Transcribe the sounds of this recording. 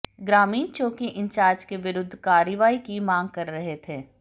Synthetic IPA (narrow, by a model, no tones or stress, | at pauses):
ɡɾaːmiːnt͡ʃoːkiʔɪ̃ɲt͡ʃaːɾd͡ʒkeʋɪɾʊd̪ʱːkaːɾʋaːikimãːŋɡ̚kɐɾːɐɦet̪ʰeː